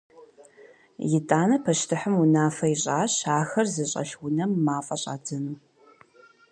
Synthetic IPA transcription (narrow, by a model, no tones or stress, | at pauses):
jɪtʼaːnɐpʰɐʃtʰɨħəmunaːfɐɪɕʼaːɕaːxɐrzɨɕʼɐ̰ʃwʊnɐmːaːfʼɐɕʼa̰ːdɐnuː